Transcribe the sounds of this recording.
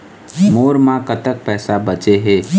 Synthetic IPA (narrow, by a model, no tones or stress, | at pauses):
moːɾmãkət̪ək̚pɛːsabət͡ʃeɦeː